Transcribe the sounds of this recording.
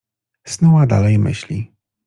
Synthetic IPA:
snuwad̪a̰lɛjmɘ̰ɕlʲi

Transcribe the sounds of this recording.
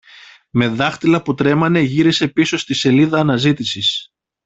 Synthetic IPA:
me̞ðɐxt̪ilɐput̪ɾe̞mɐne̞ʝiɾise̞piso̞st̪ise̞liðɐːnɐzit̪isis

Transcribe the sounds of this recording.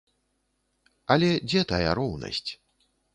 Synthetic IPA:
ɐlʲɛd͡zʲɛt̪aja̰ɾɔwnɐ̰sʲt͡sʲ

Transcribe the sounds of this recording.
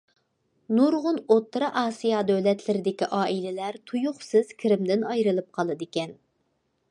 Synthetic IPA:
nuɾʁʊnot̪ːɾɑʔɑːsijɑd̪ølɛt̪lɪɾɪd̪ɪkʲiʔɑːʔilɪlæɾt̪ʰujʊχsɨz̥kʲʰɪɾɪmd̪ɪnɑjɾɨlˠɨp̚qʰɑlˠɨd̪ɪkʲɛn

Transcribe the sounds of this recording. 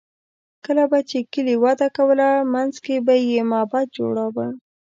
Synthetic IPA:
kəlabat͡ʃekəliwɑd̪akawəlamanzkebajemɑbɑt̪̚d͡ʒo̰ɽawə

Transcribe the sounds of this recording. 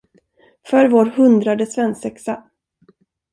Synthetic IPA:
fœɾvoːɾhɵnd̪ɾad̪əsvɛnsɛksa

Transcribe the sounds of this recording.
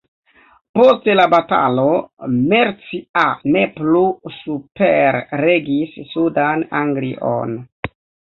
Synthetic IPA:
po̞stelabata̰lo̞meɾt͡siane̞plusupeɾːe̞ɡisːudanaŋɡliʔo̰n

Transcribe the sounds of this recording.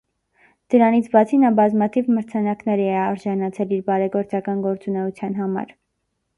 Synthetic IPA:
d̪̥əɾɑnit͡sʰbɑt͡sʰinɑbɑzmɑt̪ʰivməɾt͡sʰɑnɑknɛɾɛɛɑɾʒɑnɑt͡sʰɛliɾbɑɾɛɡɔɾt͡sɑkɑnɡɔɾt͡sunɛut͡sʰjɑn̪ɦɑmɑ̰ɾ

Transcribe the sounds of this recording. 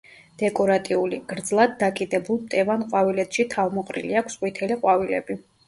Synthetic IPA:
d̪̥ɛkʼɔɾat̪ʼiuliɡ̥ɾd̪zlˠad̪ːakʼid̪ɛbulˠt̪ʼɛvanqʼwavilɛt̪ʰʃit̪ʰavmɔqʼɾḭliakʰsqʼwit̪ʰɛliqʼwavilɛ̰bi

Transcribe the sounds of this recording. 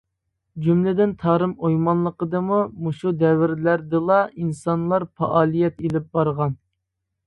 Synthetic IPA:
d͡ʒumlɪd̪ɪnt̪ʰɑːɾɨmojmɑnlˠəqəd̪ɨmumuʃud̪ɛwɪɾlæɾd̪ɨlˠɑinsɑnlˠɑɾpɑ̰ʔɑːlˠijɛt̪elɪp̚bɑɾʁɑn

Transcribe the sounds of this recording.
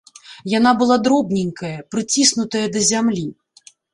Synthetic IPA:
janabɨlˠad̪ɾɔbnʲinʲkɐjɐpɾɨt͡sʲisnut̪ɐjɐd̪ɐzʲamlʲi

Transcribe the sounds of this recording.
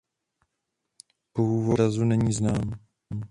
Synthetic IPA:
poɦuːvoɾazunɛɲiːznaːm

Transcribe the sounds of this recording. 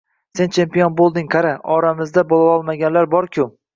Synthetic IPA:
se̞nt͡ʃʰe̞mpijonbolˠd̪ɪŋqʰaɾaɒɾamɪzd̪abolˠaɒlˠmaɡʲanlaɾbɒɾkʲʰʊ

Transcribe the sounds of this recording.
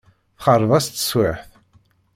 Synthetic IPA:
θχərˤːðˤæst̪ə̥swɪħθ

